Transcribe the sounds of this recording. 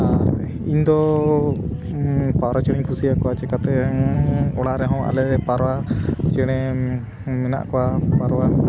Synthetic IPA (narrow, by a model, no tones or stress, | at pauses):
a | iɲd̪ɔ | paɾat͡ʃɛɽ̃iɲkʰusijakɔwat͡ʃɛkat̪ɛ | ɔɽaʔɾɛɦɔ̃ʔa̰lɛɛpaɾɔwat͡ʃɛɽ̃ɛ | mɛna̰ʔkɔwapaɾɔwa